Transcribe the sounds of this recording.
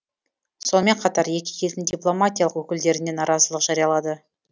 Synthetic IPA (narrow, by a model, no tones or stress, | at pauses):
so̞nme̞ɴqʰɑt̪ɑɾje̞kʲɪ̥kʲʰe̞ld̪ɪŋd̪ʲijplˠo̞mat̪ʲijɑlˠəqwɵkʲɪld̪e̞ɾɪne̞nɑɾɑzəlˠəqʒ̥ɑɾijɑlˠɑd̪ə